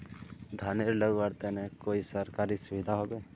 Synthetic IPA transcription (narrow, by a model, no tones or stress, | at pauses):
d̪ʱaːneɾləɡʋaːɽt̪enɛkoːisəɾkaːɾisʊʋɪd̪ʱaɦoːbeː